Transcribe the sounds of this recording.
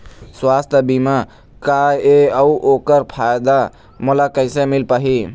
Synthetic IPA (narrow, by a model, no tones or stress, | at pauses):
swast̪ʰəbima | kaeəuʔokəɾpʰajd̪a | mulakəɪsemilpaɦi